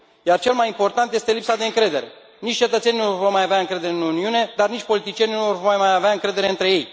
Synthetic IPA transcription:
jart͡ʃe̞lmajimpo̞rt̪ant̪je̞st̪e̞lipsad̪e̞ɨŋkɾe̞d̪e̞ɾe̞̰ | nit͡ʃʲt͡ʃe̞t̪ət̪senʲinorvo̞rmajaveaɨŋkɾe̞d̪e̞ɾeɨnuniune̞d̪arnit͡ʃʲpo̞lit̪it͡ʃjeninuvorrmajmajaveaɨŋkɾe̞d̪e̞ɾe̞ɨnt̪ɾe̞je̞j

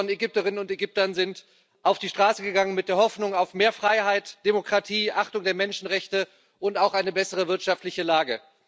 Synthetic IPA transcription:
ɔneɡʏp̚təʁɪnənʊnteɡʏp̚tɐnzɪnt | ʔaʊfd̥iːʃtʁ̥aːsəɡəɡaŋənmɪt̚d̥eːɐhɔfnʊŋaʊfmeːɐfʁ̥aɪɦaɪtd̥emokʁ̥atʰiːʔaχtʊŋdeːɐmɛnʃn̩ʁɛçtə | ʔʊntaʊxʔaɪnəbɛsəʁ̞əvɪɐtʃaftlɪçəlaːɡə

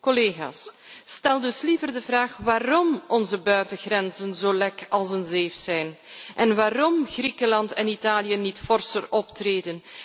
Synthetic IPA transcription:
kɔleːɣa̰ːs | stɛlˠdɵslivərdəvraːχʋaːrɔmɔnzəbœɥtəɣrɛnzənzoːlɛkɑlˠsənzeːfsɛjnʔɛnʋaːɾɔmɣrikəlɑntɛnitaːlijənitfɔrsərɔptreːdən

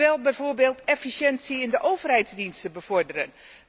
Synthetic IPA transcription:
ɛlˠbɛjvoɹbeːlˠtɛfisjɛnsiɪndəʔowvərɦɛjtzdinstəbəv̥ɔrdərən

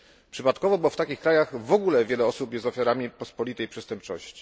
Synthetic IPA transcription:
pʂɘpat̪kɔvɔbɘwɔft̪akʲixkɾajaɣvɔɡulɛvʲjɛlɛɔsupjɛst̪ɔfʲjaɾamʲipɔspɔlʲit̪ɛjpʂɛst̪ɛmp̚t͡ʂɔɕt͡ɕi̥

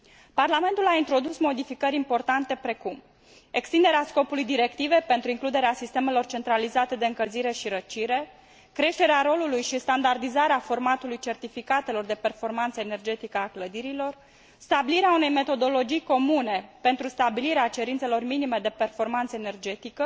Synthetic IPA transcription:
parlame̞nt̪ulaint̪ɾo̞d̪usmo̞d̪ifikəɾʲimpo̞rt̪ant̪e̞pɾe̞kum | e̞kst̪ind̪e̞ɾeasko̞pulujd̪iɾe̞kt̪ive̞pe̞nt̪ɾuiŋklud̪e̞ɾeasist̪e̞me̞lo̞rt͡ʃe̞nt̪ɾalizat̪e̞d̪eɨŋkəlziɾe̞ʃiɾət͡ʃiɾe̞ | kɾe̞ʃt̪e̞ɾeaɾo̞lulujʃist̪and̪ard̪izaɾeafo̞rmat̪ulujt͡ʃe̞rt̪ifikat̪e̞lo̞rd̪e̞pe̞rfo̞rmant̪səene̞rd͡ʒe̞t̪ikəakləd̪iɾilo̞r | st̪abiliɾeaune̞jme̞t̪o̞d̪o̞lo̞d͡ʒijko̞mune̞pe̞nt̪ɾust̪abiliɾeat͡ʃe̞ɾint̪se̞lo̞rminime̞d̪e̞pe̞rfo̞rmant̪səene̞rd͡ʒe̞t̪ikə

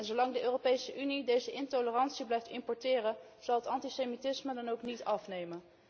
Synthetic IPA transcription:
ɛnzolɑŋdəʔøːropejsəʔynidejzəʔɪntolərɑntsiblɛjftɪmpɔɹtɪːrən | z̥ɑlˠətɑntisemitɪsmədɑnowknitɑfnejmən

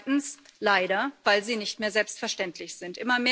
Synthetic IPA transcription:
tn̩slaɪɾɐvaɪlziːnɪçtmeːɐzɛlpstfɛɐʃtɛntʰlɪçz̥ɪntʔɪmɐmeː

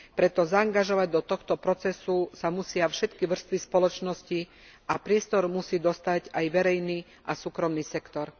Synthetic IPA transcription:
pɾɛt̪ɔzaːŋɡaʒɔʋaɟ̚d̪ɔt̪ɔxt̪ɔpɾɔt͡sɛsusamusɪafʃɛt̪kiʋr̩st̪ʋispɔlɔt͡ʃnɔsci | ʔapɾɪɛst̪ɔɾmusiːd̪ɔst̪aɟajʋɛɾɛjniː | ʔasuːkɾɔmniːsɛkt̪ɔɾ

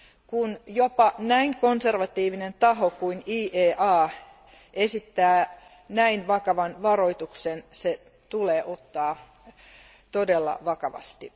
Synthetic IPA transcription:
kunjopɑnæiŋkonserʋɑt̪iːʋinent̪ɑɦokuiniːʔeːʔɑː | esit̪ːæː | næinʋɑkɑʋɑnʋɑroit̪uksense | t̪uleːʔot̪ːɑː | t̪odelːɑ̰ʋɑkɑʋɑ̰st̪i

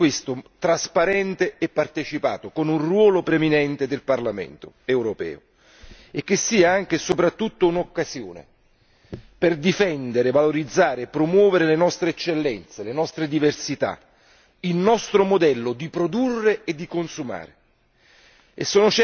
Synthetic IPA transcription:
west̪ot̪ɾaspaɾɛnt̪eɛpːart̪et͡ʃipa̰ːt̪okonunrwɔːlopɾeminɛnt̪ed̪elparlamɛ̰nt̪o̰ | ɛwɾopɛ̰ːo̰ | ekːesːiːaaŋk̟esopɾat̪ːut̪ːounokːasjo̰ːnḛ | perd̪ifɛnd̪eɾevaloɾid̪zːaːɾeepːɾomwɔːveɾelenɔst̪ɾeɛt͡ʃːelːɛnt̪selenɔst̪ɾed̪iversit̪a̰ | ilnɔst̪ɾomod̪ɛlːod̪ipɾod̪urːeed̪ːikonsuma̰ːɾe | ḛsːoːnʊt͡ʃɛ

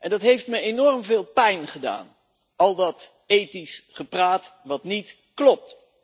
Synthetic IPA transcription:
ʔɛndɑtɦejftməenɔrmvɪːlˠpɛjnχəda̰ːn | ɑlˠdɑt | ejtisχəpraːtʋɑtnit | klɔp̚t

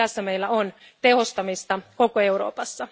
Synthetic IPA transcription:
æsːæme̞jlːæon | t̪e̞ho̞st̪ɑmist̪ɑko̞koe̞wɾo̞̰ːpɑsːɑ

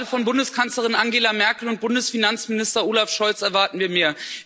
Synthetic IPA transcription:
əfɔnbʊndəskʰant͡sləʁ̞ɪnʔaŋɡeːlamɛɐkl̩ʊnt̚b̥ʊndəsfinant͡smɪnɪstɐoːlafʃɔlt͡sɛɐvaɐtn̩viːɐmeːɐ

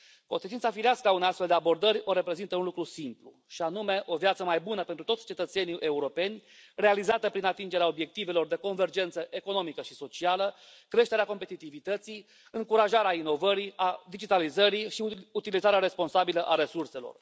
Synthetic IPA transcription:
ko̞nset͡ʃintsafiɾeaskəauneast̪feld̪eabo̞rd̪əɾʲo̞ɾe̞pɾe̞zint̪əunlukɾusimplu | ʃianume̞ʔo̞vjat̪səmajbunəpent̪ɾut̪o̞t̪ʲt͡ʃe̞t̪ət̪se̞niʔe̞uɾo̞pe̞nʲre̞alizat̪əpɾinat̪ind͡ʒe̞ɾeao̞bje̞k̚t̪ive̞lo̞rd̪e̞ko̞nve̞rd͡ʒe̞nt̪səʔeko̞no̞mikəʃiso̞t͡ʃialəkɾe̞ʃt̪e̞ɾeako̞mpe̞t̪it̪ivit̪ət̪si | ɨŋkuɾaʒaɾeaino̞vəɾiad̪id͡ʒit̪alizəɾiʃiut̪ilizaɾeaɾe̞spo̞nsabiləʔaɾe̞surse̞lo̰r

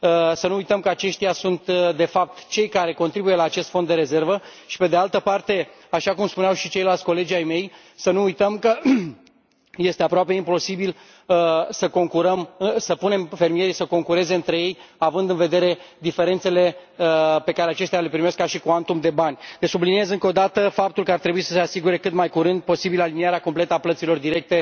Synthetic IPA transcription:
sənuujt̪əmkəat͡ʃe̞ʃt̪ijasunt̪d̪e̞fap̚t̪t͡ʃe̞jkaɾe̞ko̞nt̪ɾibujelaːt͡ʃe̞st̪fo̞nd̪e̞ɾe̞ze̞rvəʃi̥pe̞d̪e̞alt̪əpart̪e̞ | aʃakumspuneawʃit͡ʃe̞jlalt̪ʲko̞le̞d͡ʒajme̞j | sənuujt̪əmkə | je̞st̪e̞apɾoape̞impo̞sibil | səko̞ŋkuɾəmɨsəpune̞mfe̞rmije̞ɾisəko̞ŋkuɾe̞zeɨnt̪ɾe̞je̞javɨnd̪ɨnve̞d̪e̞ɾe̞d̪ife̞ɾe̞nt̪se̞le̞əpe̞kaɾe̞at͡ʃe̞st̪eale̞pɾimeskːaʃikuant̪umd̪e̞banʲlesublinie̞zɨŋko̞d̪at̪əfap̚t̪ulkəart̪ɾe̞buisə̥se̞asiɡuɾe̞kɨt̪majkuɾɨnd̪̚po̞sibiləaliniaɾeako̞mple̞t̪əaplət̪silo̞rd̪iɾe̞k̚t̪e̞

